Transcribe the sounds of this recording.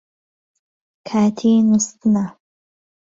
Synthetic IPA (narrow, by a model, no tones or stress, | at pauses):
kʰaːt̪ʰinust̪na